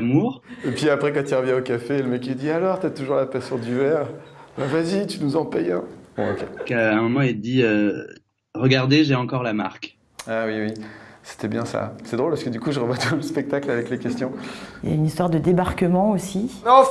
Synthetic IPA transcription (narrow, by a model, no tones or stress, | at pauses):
muːʁepɥiapχɛkɑ̃t̪ylʁəvjɛ̃okafeləmɛkid̪ialɔʁt̪yat̪uʒuʁlapasyʁd̪yvɛʁbavazit̪ynuzɑ̃pɛjɛ̰̃bɔ̰̃o̰kʲekəɛ̃mɔmɑ̃ild̪iø | ʁəɡaʁd̪eʒeɑ̃kɔʁlama̰ʁk | awiwise̥t̪ɛbjɛ̃sa̰sɛd̪ʁolpasəkəd̪ykuʒəʁəvwat̪ʰuləspɛk̚t̪aklavɛklekʲɛst̪jɔ̃ja̰ynist̪waʁd̪əd̪ebaʁkəmɑ̃osinɔ̃